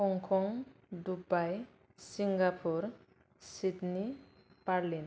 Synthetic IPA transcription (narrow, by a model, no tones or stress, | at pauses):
hɔŋkʰɔŋdubaj | siŋɡapʰuɾ | sidni | paɾlin